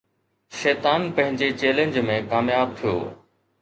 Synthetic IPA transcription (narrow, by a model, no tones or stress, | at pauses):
ʃɛːt̪aːnpɐ̃ɦɪ̃ɲd͡ʑet͡ɕeːlẽɲd͡ʑmẽkaːmjaːb̚t̪ʰijo̰ː